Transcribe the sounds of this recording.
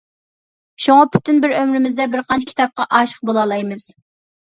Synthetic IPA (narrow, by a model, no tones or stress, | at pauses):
ʃuŋɑpʰy̥t̪ynbɪɾømɾɪmɪzd̪ɛbɪɾqʰɑnt͡ʃʰkʲʰi̥t̪ʰɑp̚qɑʔɑːʃə̥q̚bolˠɑlˠɑjmɨz̥